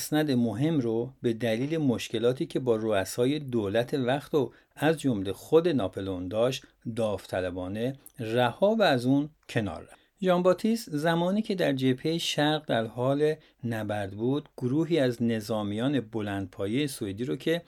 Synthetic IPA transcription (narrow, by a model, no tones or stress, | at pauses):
snæd̪e̞moɦe̞mɾobe̞d̪æliːle̞moʃke̞lɒːt̪ʰiːcʰe̞bɒːroæsɒːje̞d̪oːlæt̪ʰe̞væxt̪o | æzd͡ʒomle̞xod̪e̞nɒːpʰo̞lond̪ɒːʃt̪ | d̪ɒːft̪ʰælæbɒːne̞ | ræhɒːvæːzuncʰe̞nɒ̰ːɾːæ | ʒɒmbɒːt̪ʰist̪zæmɒːniːcʰe̞d̪æɾd͡ʒe̞pʰhe̞jeʃæɾɣd̪æɾhɒːle | næbæɾd̪buːd̪ɡ̥oɾuːɦiːæzne̞zɒːmijɒːne̞bo̞lænd̪̥̚pʰɒːjejesoed̪iːɾocʰe̞